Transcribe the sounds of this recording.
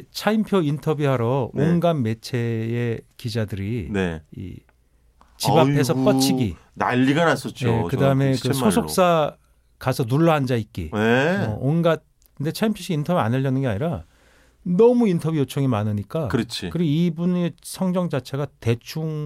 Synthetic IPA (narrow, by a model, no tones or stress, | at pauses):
t͡ɕʰaimpʰjʌintʰʌbjiɦaɾʌonɡanːe̞t͡ɕʰe̞ekid͡ʑadɯɾineḭ | t͡ɕibape̞s̬ʰʌp͈ʌt͡ɕʰiɡi | na̰ʎːiɡanas͈ʌt͡ɕ͈joekɯdaɯme̞kɯsosʰok̚s͈a | kasʰʌnuɭːʌɦand͡ʑaik͈ḭeʌonɡat̚ | kɯnde̞t͡ɕʰaimpʰjʌɕ͈ʰiintʰʌbjia̰neʎːʌnɯnɡeaɲiɾa | nʌmuintʰʌbjujot͡ɕʰʌŋimanɯɲik͈akɯɾʌt͡ɕʰikɯɾiɡoibunesʰʌŋd͡ʑʌŋd͡ʑat͡ɕʰe̞ɡate̞t͡ɕʰuŋ